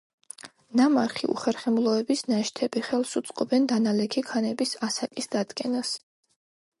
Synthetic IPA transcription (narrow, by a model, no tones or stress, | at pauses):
nama̰ɾχḭṵχɛɾχɛmlˠɔɛbisnaʃt̪ʰɛbiχɛlˠsut̪sʼqʼɔbɛnd̪analɛkʰikʰanɛbisasakʼisd̪̥ad̪kʼɛnas